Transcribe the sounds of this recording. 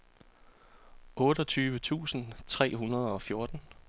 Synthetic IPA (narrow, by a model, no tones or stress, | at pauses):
ʔɔ̽ːɾ̥ɒ̽t͡sʰyːʋət͡sʰṵːsn̩t͡sʰʁɛ̰ːɦunɐð̞ˠɒ̽fjo̝ɐd̥n̩